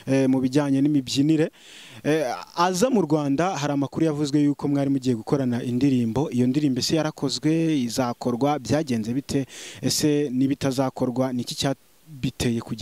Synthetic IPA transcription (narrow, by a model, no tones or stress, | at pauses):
muβiɟaːɲe̞nimibɟiniɾe̞ | azamuɾɡwaːndaɦaɾaːmakuɾujavuzwe̞juːko̞mŋaːɾimuɟiːjeɡuko̞ɾanaʔindiɾiːmbo̞ʔijo̞ndiɾiːmbe̞se̞jaɾakʰo̞zɡwe̞izako̞ɾɡwabjaːɟe̞ːnze̞βitʰe̞ese̞niβitazaːko̞ɾɡwanicicaː | βitʰe̞je̞kuɟa